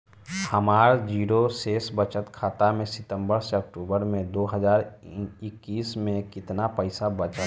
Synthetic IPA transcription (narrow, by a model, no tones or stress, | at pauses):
həmaːɾd͡ʒiːɾoseːsbət͡ʃət̪kʰaːt̪amẽsɪt̪ə̃mbəɾseɐk̚ʈuːbəɾmẽd̪oːɦəzaːɾɪkːiːsmẽkɪt̪napəɪsabət͡ʃə